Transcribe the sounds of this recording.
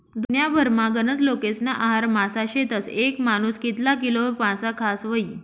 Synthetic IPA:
d̪unjabʱəɾmaɡənət͡slokesnaʔaɦaɾmasaɕet̪əsekmanuːskit̪lak̬ilopãsakʰasʋəi

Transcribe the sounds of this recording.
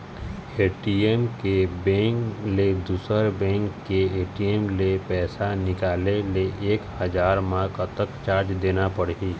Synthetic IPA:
eːʈiemkebɛ̃ːkled̪uːsəɾbɛ̃ːŋkːeeːʈiemlepɛːsanɪkaːleleʔeːkhəd͡ʒaːɾmãːkət̪əkt͡ʃaːɾd͡ʒd̪eːnapɐɽɦiː

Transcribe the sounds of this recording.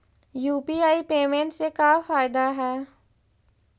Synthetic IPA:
juːpiːaːipeːmẽːɳʈsekaːfaːɪd̪aːɦɛː

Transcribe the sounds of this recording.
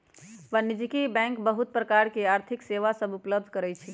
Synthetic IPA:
ʋənːid͡ʒikibɛ̃ŋkbəɦut̪̚pɾəkaɾkeaɾt̪ʰikseʋasəbupləb̚d̪ʱkəɾɛt͡ʃʰi

